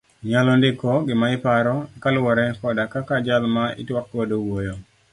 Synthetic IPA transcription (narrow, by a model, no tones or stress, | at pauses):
ɲalɔndɪkɔɡɪmaɪpaɾɔkalwɔɾɛkɔdakakad͡ʒalmaɪ̰twakːodowojo